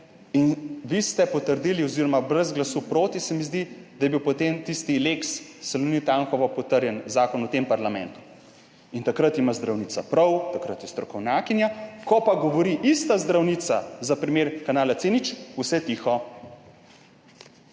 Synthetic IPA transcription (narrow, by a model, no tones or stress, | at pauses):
inʋist̪ɛpɔt̪əɾd̪iliɔziɾɔmabɾɛzɡlasupɾoːt̪isɛmizd̪id̪ajɛbiwpɔt̪emt̪ist̪ileksːɛlunit̪aŋxɔʋɔpɔt̪əɾjɛnzaːkɔnut̪empaɾlamɛ̰̃nt̪u̥ | int̪akɾət̪imazd̪ɾawniːt̪apɾɔwt̪akɾət̪jɛst̪ɾɔkɔwnʲjaːkinjakɔpaɡɔʋɔɾiʔist̪azd̪ɾawnit̪sazapɾimeːɾkanaːlat̪seːnit͡ʃusɛt̪ixɔ